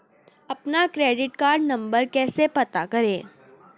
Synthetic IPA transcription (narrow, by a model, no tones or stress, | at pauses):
ɐpnakɾeːɖɪʈkaːɾɖnɐ̃mbəɾkɛːsepɐt̪akɐɾẽː